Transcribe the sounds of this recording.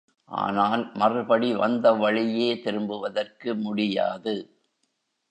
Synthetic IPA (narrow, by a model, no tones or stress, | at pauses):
ʔa̰ːnaːlmɐrɯbɐɽiʋɐnd̪ɐʋɐɭɪjeːt̪ɪɾɯmbɯʋɐðɐrkɯmʊɽɪja̰ːðɯ